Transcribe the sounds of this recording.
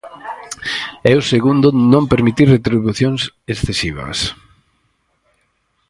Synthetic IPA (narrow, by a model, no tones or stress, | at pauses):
ɛʊseɣund̪ʊnõmpeɾmit̪iɾret̪ɾiβuθjoŋsesθesiβ̞ɐ̰s